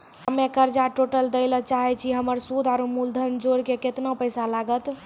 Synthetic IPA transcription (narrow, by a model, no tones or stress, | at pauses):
ɦəmekəɾd͡ʒaʈoʈəld̪əɪlət͡ʃaɦɛt͡ʃʰiɦəməɾsud̪ʱaɾumuld̪ʱənd͡ʒoɾkeket̪napəjsalaɡət̪